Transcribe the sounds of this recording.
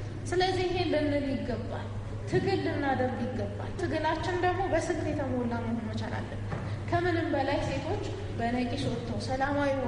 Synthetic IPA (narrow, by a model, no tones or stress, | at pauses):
sɨləzːiɪɦe̞nlɨnːɨljɪɡːəbːa̰l | t̪ʰɨɡɨlːɨnːad̪əɾbjɪɡːəbːa̰lt̪ʰɨɡɨlat͡ʃːɪnd̪əɡmo̞bəsɨɡlet̪ʰəməɔlːaməhonmət͡ʃa̰la̰lːə | kʰəmɨnɨmbəlajse̞t̪ʰo̞t͡ʃː | bənəkʼiʃɔt̪ʰːəwsəlamawi